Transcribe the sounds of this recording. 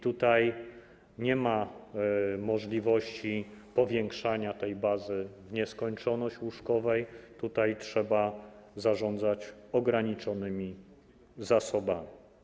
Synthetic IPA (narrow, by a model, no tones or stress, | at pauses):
it̪ut̪aj | ɲɛma | mɔʐlʲivɔɕt͡ɕipɔvʲjɛŋkʂaɲat̪ɛjbazɘvɲɛskɔɲt͡ʂɔnɔɕt͡ɕwuʂkɔvɛjt̪ut̪ajtʂɛbazaʐɔnd̪zat͡ɕɔɡɾaɲit͡ʂɔnɘmʲi | zasɔbamʲi